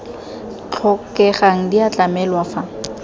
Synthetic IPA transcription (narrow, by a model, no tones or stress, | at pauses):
t͡ɬʰɔkɛχaŋ̩diat͡ɬamɛlwafa